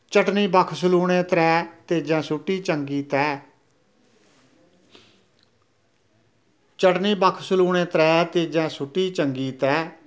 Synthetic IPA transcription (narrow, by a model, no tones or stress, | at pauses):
t͡ʃəʈniːbəkʰsəluːɽ̃ẽːt̪əɾɛːt̪eːd͡ʒãːsʊʈːiːt͡ʃəŋɡiːt̪ɛː | t͡ʃəʈniːbəkʰsʊluːɽẽːt̪əɾɛːt̪eːd͡ʒãːsʊʈːiːt͡ʃəŋɡiːt̪ɛː